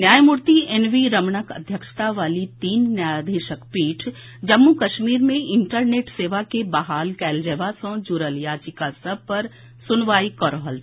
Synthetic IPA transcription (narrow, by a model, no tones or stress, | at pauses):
njaːjmuɾt̪ienʋiɾəmɳəkə̰d̪ʱjəkʃə̥t̪aʋaːlit̪iːnnjaːjd̪ʱeʃəkpiːʈʰ | d͡ʒəmːukɐʃmiːɾmẽɪɳʈəɾneːʈseːʋakebaɦaːlkɛːld͡ʒeːʋasə̃d͡ʒuɾəljaːd͡ʒikasəb̚pɐɾ | sʊnʋaːikəɾɦəl